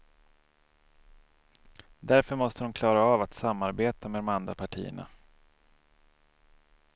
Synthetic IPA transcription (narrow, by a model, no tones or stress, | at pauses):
d̪æɾfœɾmɔst̪əd̪ʊmkʰlɑːɾaɑːvat̪samːaɾbeːt̪amɛd̪ɔmand̪ɾapʰaʈʰḭːə̰ɳa̰